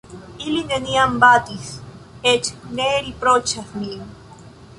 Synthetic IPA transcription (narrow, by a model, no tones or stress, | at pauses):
ilineniambat̪is | et͡ʃneɾipɾot͡ʃaθnin